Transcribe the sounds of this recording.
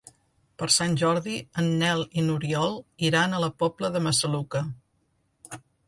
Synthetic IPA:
pəɾsanʲʒɔɾðiənːɛlˠinuɾiɔlˠiɾanələpɔbləðəməsəlukə

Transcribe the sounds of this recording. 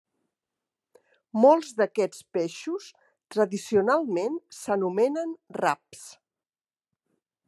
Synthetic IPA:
molˠzðəkɛt͡spɛʃus | t̪ɾəðisiunalˠmensənumɛnənra̰ps

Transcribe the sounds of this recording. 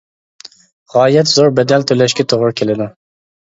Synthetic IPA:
ʁɑːjɛt̪z̥oɾbɛd̪ɛlt̪ʰølɛʃkʲɛt̪ʰoʁʊɾʊkʲʰelɪd̪u

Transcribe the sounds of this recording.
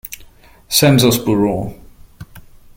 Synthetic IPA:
sɛ̃nzɔsb̥uɹɔ

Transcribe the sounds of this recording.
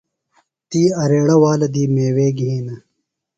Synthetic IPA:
t̪iːɐɾeːɽɐwaːlɐd̪iːmeːweːɡiːnɐ

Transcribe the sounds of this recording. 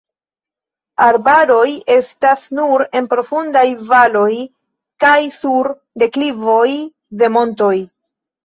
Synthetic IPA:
aɾbaɾo̞je̞stasnuɾe̞npɾo̞fundajvalo̞j | kajsuɾ | de̞klivo̞j | de̞mo̞nto̞j

